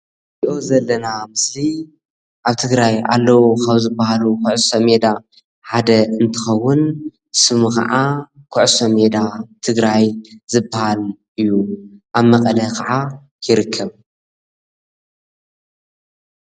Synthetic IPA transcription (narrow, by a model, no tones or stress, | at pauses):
iʔo̞zɐlːɐnamɨsli | ʔaβt̪ʰɨɡɾaja̰lːɐwokʰɐβzɨbːahalukʊʕsomed̪a | ħad̪ɐɨnt̪ʰɨxɐwːʊn | sɨmukɐ̰ʕa | kʰʊʕsomed̪at̪ʰɨɡɾajzɨbːahalʔɨjːuʔaβmɐkʼɐlɐkʰɐʕa | jɪɾɨkʰːɐβ